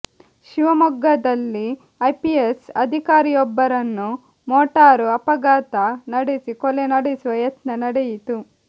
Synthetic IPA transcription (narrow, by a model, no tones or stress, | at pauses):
ʃiʋɐmɔɡːɐd̪ɐlːi | ɐjpiesɐd̪ʱikaːɾijɔbːɐɾɐnːu | moːʈaːɾuɐpɐɡaːt̪ɐnɐɽisikɔlenɐɽisuʋɐjɐt̪nɐnɐɽejit̪u